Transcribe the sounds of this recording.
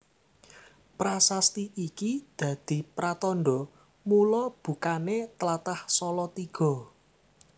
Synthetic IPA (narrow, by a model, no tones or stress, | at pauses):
pɾasast̪iʔikid̪̥ä̤d̪̥i̤pɾat̪ɔnɖɔ | mulɔb̥ṳkanet̪əlat̪ahsɔlɔt̪iɡ̥ɔ̤